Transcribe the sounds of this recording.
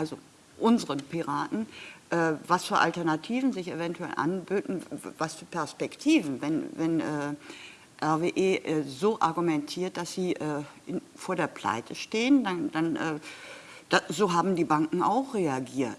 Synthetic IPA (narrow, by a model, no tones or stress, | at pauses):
ʔalzo | ʔʊnzəʁənpiʁaːtn̩ʔɛːvasfyːɐʔa̰ltɛɐnatʰiːvn̩zɪçevɛntuɛ̰lʔa̰nbøːtn̩vasfyːɐpʰɛɐspɛktʰiːvn̩vɛnvɛnʔɛː | ʔɛɐveːʔeːʔɛzoːʔaɐɡumɛntʰiːɐt̚d̥asz̥iːʔɛːɪfoːɐdeːɐpl̥a̰ɪtʰəʃteːəndandanʔɛː | d̥azoːɦaːbm̩diːbaŋkŋ̩a̰ʊxʁ̥eaɡiːɐt